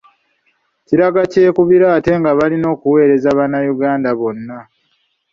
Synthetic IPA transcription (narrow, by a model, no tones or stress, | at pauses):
ciɾaɡace̞ːkuβiɾaːte̞ŋɡaβalino̞ːkuwe̞ːɾe̞zaβanajuɡaːndaβo̞nːa